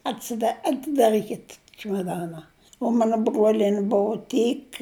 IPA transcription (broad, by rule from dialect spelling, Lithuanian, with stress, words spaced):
ɐtʲsʲɪˈdɐ ɐtʲɪdɐˈrʲiːkʲɪt t͡ʃʲɪmɐˈdɑːnɐ ʊ ˈmɑːnɐ ˈbruɔlʲiɛnʲɪ ˈbʊʊ ˈtʲiːk